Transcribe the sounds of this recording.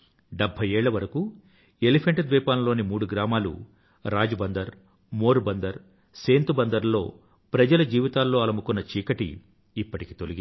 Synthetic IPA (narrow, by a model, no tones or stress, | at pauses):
ɖebʱːɐjɛːɭːɐʋɐɾɐku | e̞lipʰeɳʈd̪ʋɛːpaːnɐlo̞ːnimuːɽuɡɾaːmaːlṵ | ɾaːd͡ʒɐbɐnd̪ɐɾ | moːɾubɐnd̪ɐɾ | se̞ːnt̪ubɐnd̪ɐɾlo̞ː | pɾɐd͡ʒɐlɐd͡ʒiːʋit̪aːlːo̞ːɐlɐmukunːɐt͡ʃiːkɐʈḭː | pːɐʈiki̥t̪oliɡi